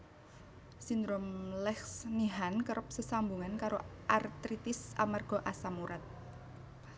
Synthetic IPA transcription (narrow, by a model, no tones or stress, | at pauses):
sind̪ɾomlɛksniɦankəɾʔəp̚səsambuŋankaɾoʔart̪ɾit̪ɪsa̰marɡ̥ɔ̤ʔasamuɾat̪̚